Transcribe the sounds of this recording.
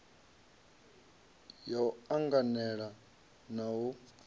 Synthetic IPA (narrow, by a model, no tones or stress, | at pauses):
jauaŋɡanɛɺa | nawu